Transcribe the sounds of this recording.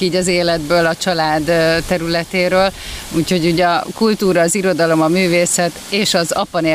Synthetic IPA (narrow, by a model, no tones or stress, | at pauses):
iːɟɒzeːlɛd̪bøːlɒt͡ʃɒlaːd̪t̪ːɛɾylɛt̪eːɾøːluːcho̞ɟuːɟɒkult̪uːɾɒːziɾo̞d̪ɒlo̞mɒmyːveːsɛt̪eːʃɒzɒpɒneː